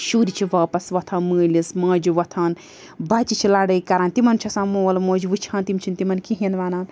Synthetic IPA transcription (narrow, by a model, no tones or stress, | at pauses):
ʃuːɾit͡ʃʰiʋaːpɐsʋɐt̪ʰɐ̃ːnmɨːlʲismɐ̃ːd͡ʒuʋɐt̪ʰɐːn | baːt͡ʃit͡ʃʰilaːɽɐjkɐɾaːnt̪imɐnt͡ʃʰɐsãːmoːlmõːd͡ʒuʋɨt͡ʃʰãːnt̪imt͡ʃʰint̪imɐnkiɦinʋaːnaːn